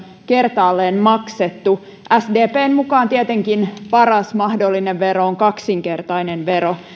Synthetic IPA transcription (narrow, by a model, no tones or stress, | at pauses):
ke̞rt̪ɑːlːeːnmɑkset̪ːu | ʔæsdeːpeːnmukɑːnt̪iet̪eŋkinpɑrɑsmɑhdolːineʋʋeɾo̞oŋkɑksiŋke̞rt̪ɑinenʋe̞ɾo̞